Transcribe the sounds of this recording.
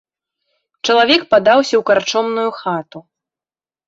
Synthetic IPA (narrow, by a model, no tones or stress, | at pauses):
t͡ʂɐlˠavʲɛkpad̪awsʲɐwkart͡ʂɔmnujuxat̪u